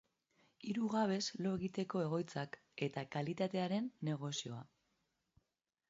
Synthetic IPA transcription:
iɾuɣaβ̞e̞zlo̞eɣit̪e̞ko̞e̞ɣ̞o̞jt͡sak | e̞t̪akalit̪at̪e̞aɾe̞nːe̞ɣ̞o̞sio̞a

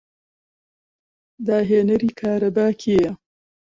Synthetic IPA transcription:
d̪aːɦeːnɐɾiːkʰaːɾɐbaːkʰeːjɐ

